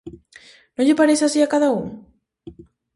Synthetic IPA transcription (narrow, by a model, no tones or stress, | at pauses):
nõŋʎepaɾesasiakaðauŋ